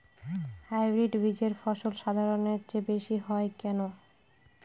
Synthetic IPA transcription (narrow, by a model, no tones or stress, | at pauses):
hajbɾiɖbid͡ʑeɾfɔʃolʃad̪ʱaɾoneɾd͡ʑebeʃiɦɔekɛno